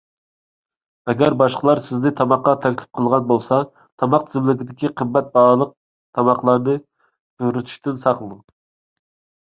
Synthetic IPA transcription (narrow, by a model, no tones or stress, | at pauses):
ɛɡʲɛɾbɑʃqəlˠɑɾsɪznɪt̪ʰɑmɑqːɑt̪ʰɛkʲlɪ̥p̚qʰəlˠʁɑnbolˠsɑ | t̪ʰɑmɑq̚t̪ʰɪzɪmlɪɡʲɪd̪ɪkʲiqʰəbːɛt̪̚bɑlˠəq̚ | t̪ʰɑmɑqlˠɑɾnɨ | d̪̥uɾyt̪ʰy̥ʃt̪ɪnsɑqlˠɨd̪ɨŋ